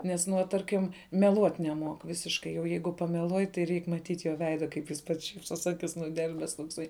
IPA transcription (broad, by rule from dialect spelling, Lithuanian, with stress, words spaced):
ˈnʲɛs ˈnuɔ ˈtɐrʲkʲɪm mʲɛˈlˠuɔtʲ nʲɛˈmuɔk ˈʋʲɪsʲɪʃkɐɪ jɛʊ ˈjɛɪɡʊ pɐmʲɛˈlˠuɔj tɐɪ ˈrʲɛɪk mɐˈtʲiːtʲ joː ʋʲɛɪdɐ kɐɪp jɪs ˈpɐts ˈʃʲiːpsoːs ˈɑːkʲɪs nʊˈdʲɛlʲbʲɛs toːkˈsɐɪ